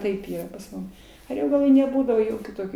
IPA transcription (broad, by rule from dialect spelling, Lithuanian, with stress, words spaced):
ˈtɐɪp ˈiːrɐ pɐs ˈmʊm ɐˈrʲoːɡɐlˠoːj nʲɛˈbuːdɐʋoː ˈjoːkʲuː ˈtoːkʲuː